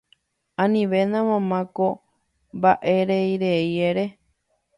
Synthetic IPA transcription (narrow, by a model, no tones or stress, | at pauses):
ãnĩʋe̞nãmãmãko | mbaʔe̞ɾejɾeieɾe̞